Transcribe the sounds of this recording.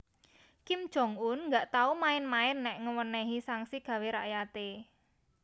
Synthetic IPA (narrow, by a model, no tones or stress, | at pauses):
kɪmd̥ʒ̥ɔ̤ŋʊnŋɡaʔt̪aumaɪnmaɪnːɛʔŋəwənɛɦisaŋsiɡ̥ä̤weɾaʔjat̪e